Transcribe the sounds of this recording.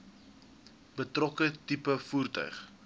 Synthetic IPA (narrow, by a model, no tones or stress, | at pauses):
b̥ətrɔkətipəfuːrtœ̰ɥχ